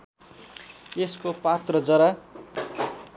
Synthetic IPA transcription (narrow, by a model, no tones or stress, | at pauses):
eskopat̪rʌd͡zʌɾa